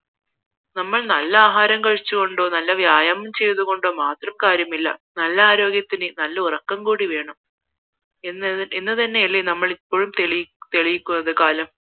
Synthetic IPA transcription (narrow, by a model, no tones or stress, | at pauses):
nɐmːɐɭnɐlːɐaːɦaːɾɐmkɐɻit͡ɕːuɣo̞ɳɖo̞ːnɐlːɐʋjaːjaːmɐmt͡ɕe̞jɐðuɣo̞ɳɖo̞ːmaːt̪rɐmkaːɾjɐmilːɐ̰nɐlːɐaːɾo̞ːɡjɐt̪ːinɨnɐlːɐurɐkːɐmkuːɽiʋe̞ːɳɐm | enːɨt̪ɐnːe̞iɭːinɐmːɐɭipːo̞ːɻumt̪eɭt̪e̞ɭijikʲːunːɐðɨkaːlɐm